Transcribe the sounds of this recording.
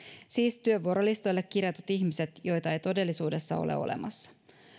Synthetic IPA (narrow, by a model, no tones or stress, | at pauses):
siːst̪yøʋuoɾolist̪o̞jlːekːirjɑt̪ut̪içmiset̪jo̞jt̪ɑe̞jt̪o̞de̞lːisuːde̞sːɑ̰o̞̰lʔḛo̞̰lḛmɑ̰sːɑ̥